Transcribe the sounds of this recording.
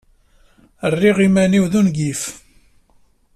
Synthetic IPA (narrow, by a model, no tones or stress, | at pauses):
ərːiʁimæniwðunɡif